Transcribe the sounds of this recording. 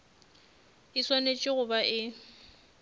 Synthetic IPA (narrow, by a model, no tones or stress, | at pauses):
ɪswanet͡ʃʼɪɣʊbaʔɪ